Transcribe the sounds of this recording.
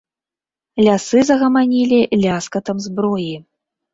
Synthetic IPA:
lʲasɨzɐɣɐmanʲilʲilʲaskɐt̪ɐmzbɾɔji

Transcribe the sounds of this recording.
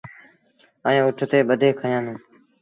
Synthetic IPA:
əẽːʊʈʰt̪eːɓəd̪ʱeːkʰəjãːnũː

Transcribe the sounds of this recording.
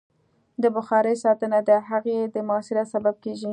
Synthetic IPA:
d̪əbʊxɑɾəjsɑt̪ənad̪əɦaɣed̪əmʊɑsɪɾasabab̚keʒi

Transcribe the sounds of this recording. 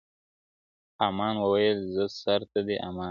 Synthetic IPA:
amɑːnwəwajəlzəsaɾt̪ad̪eʔamɑ

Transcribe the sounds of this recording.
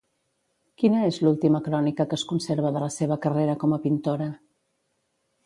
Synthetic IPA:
kinəezlulˠt̪iməkɾɔnikəkəskunseɾβ̞əðələseβəkəreɾəkɔməpint̪oɾə

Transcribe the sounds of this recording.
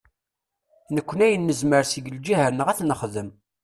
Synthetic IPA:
nəkʷːənæjənːəzməɾsiɡəld͡ʒihænəʁæθnəχðəm

